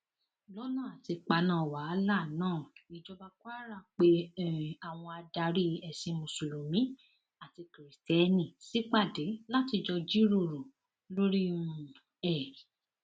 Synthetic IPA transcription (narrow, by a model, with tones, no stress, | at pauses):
lɔ˦nã˦˨a˨ti˧k͡pa˧nãː˦˨wa˨˦la˦˨nãː˦˨i˨d͡ʒɔ˧ba˧kwa˦ɾa˦˨k͡pe˧˦˨a˨w̃ɔ̃˧a˧da˧ɾi˦ɛ˨sĩ˧mõ˨su˨ɾũ˨mĩ˨˦ | a˦˨ti˧kɾi˨tɛ˨˧nĩ˨si˦k͡pa˦˨dɛ˨˦la˦ti˧d͡ʒɔ˧d͡ʒi˦ɾo˦˨ɾo˨ | lo˦ɾi˦nũ˧ | ɛ˨